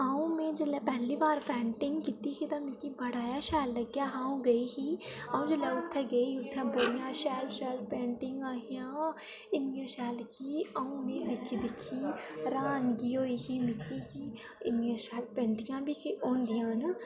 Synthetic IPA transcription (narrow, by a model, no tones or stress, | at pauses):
aːũmẽːd͡ʒəlɛpɛɦlibaːɾpɛːɳʈɪ̃ŋɡkit̪ikit̪ãmɪkibʱəɽaːjaːʃɛːlːəɡjaːɦaːũɡəiɦiːaːũd͡ʒəlɛʊt̪ʰːɛɡɐiiʊt̪ʰːɛ̃bəɽijãːʃɛːlʃɛːlpẽːɳʈɪŋɡaːɦijãː | ɪnɪjãːʃɛːlkiaːũnẽd̪ɪkʰːid̪ɪkʰiɾaːnɡioːikimɪkiɦiː | ɪnijãːʃɛːlpẽːɳʈɪŋɡãːbikiʔoːnd̪ijãːn